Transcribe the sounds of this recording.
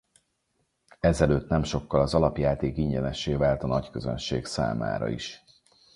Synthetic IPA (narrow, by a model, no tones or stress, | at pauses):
ɛzɛløːt̪nɛmʃo̞kːɒlɒzɒlɒpjaːt̪eːkiɲɟɛnɛʃeːvaːlt̪ɒnɒckøzø̰nʃeːksa̰ːma̰ːɾɒ̰ḭʃ